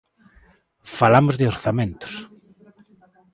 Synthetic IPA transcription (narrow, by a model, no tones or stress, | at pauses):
falamʊzðeoɾθamẽnt̪ʊ̥s